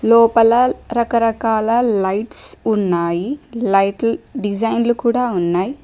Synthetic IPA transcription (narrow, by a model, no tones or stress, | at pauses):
lɔːpɐlɐɾɐkɐɾɐkaːlɐlɐjʈsunːaːjilɐjʈluɖid͡ʒɐjnlukuːɽaːunːaːji